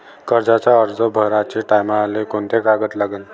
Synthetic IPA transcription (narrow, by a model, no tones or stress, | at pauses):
kəɾd͡zat͡ɕaəɾd͡zəbʱəɾat͡ɕeʈajmaːlekoɳt̪ekaɡət̪laɡən